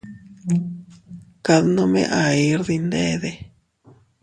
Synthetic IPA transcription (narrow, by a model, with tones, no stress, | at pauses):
ka˧ðnõ˧mḛ̃˧ʔa˨i˧˦ɾði˧nd̪e˦˧ðe˧